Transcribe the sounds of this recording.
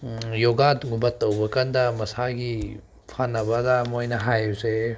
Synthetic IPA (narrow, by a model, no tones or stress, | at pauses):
joɡatŋubɐtːɐwbɐkɐndɐmɐsaɡi | pʰanːɐbɐdɐmojnɐɦajuse